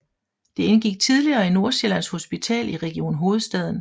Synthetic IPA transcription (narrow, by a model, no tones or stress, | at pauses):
d̥e̝enɡ̥iɡ̥̚t͡sʰið̞ˠliɐːino̝ɐɕelæn̰sho̝sb̥it͡sʰɛ̰ːliʁɛɡ̥io̝̰ːnɦo̝ːð̞̩ˠsd̥ɛð̞̰ˠn̩